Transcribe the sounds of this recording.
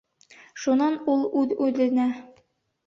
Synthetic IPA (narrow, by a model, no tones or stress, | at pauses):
ʃunɑnulˠʉðʉðlɘ̆næ